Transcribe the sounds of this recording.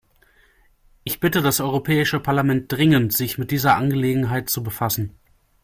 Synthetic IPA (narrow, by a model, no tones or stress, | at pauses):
ʔɪçb̥ɪtədasʔɔʏʁopʰɛːɪʃəpʰaɐlamɛnt̚d̥ʁɪŋəntz̥ɪçmɪt̚d̥iːzɐʔanɡəleːɡŋ̩ɦaɪt̚t͡subəfasn̩